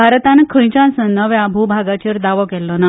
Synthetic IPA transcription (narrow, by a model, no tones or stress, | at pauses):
aɾt̪anəkʰə̃j̃t͡ɕãnsənəʋjãbʱubʱaɡat͡ɕəɾd̪aʋɔkɛlːɔna